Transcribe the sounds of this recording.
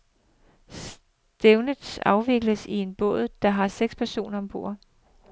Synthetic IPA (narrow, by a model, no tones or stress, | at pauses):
s | d̥eʊnəd̥sɑ̈ʊʋe̝ɡ̥ləsie̝nb̥ɔ̰̽ð̩ˠd̥ɑ̈ɦɑ̈seɡ̥spʰæɐso̝̰ːnɐɒ̽mb̥o̝̰ːɐ̰